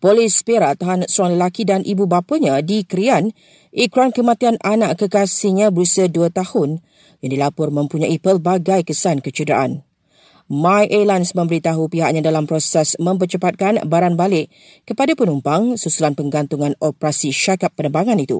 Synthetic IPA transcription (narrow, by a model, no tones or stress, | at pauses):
polispeɾat̪aɦansuaŋləlakidanʔibubapəɲãdikəɾian | ʔikɾuankəmãt̪iananãʔkəkasiɲãbəɾusəduət̪ahʊn | jaŋdilapʊrmə̃mpuɲãʔipəlbaɡajkəsankət͡ʃədɾa̰ʔa̰n | mãjʔelansmə̃mbəɾit̪aɦupiɦaʔ̚ɲãdalampɾosɛsmə̃mp̬ərt͡ʃəpat̪̚kanbaɾanbalɪʔ | kəpadapənumpaŋsusulanpəŋɡant̪uŋãnopɾasiʃakapːənəmbaŋãnit̪ṵ